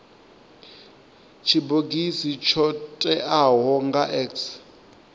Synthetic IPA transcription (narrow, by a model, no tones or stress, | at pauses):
t͡ʃʰiboɡisit͡ʃʰɔtʼɛʔaɦɔŋɡaʔɛks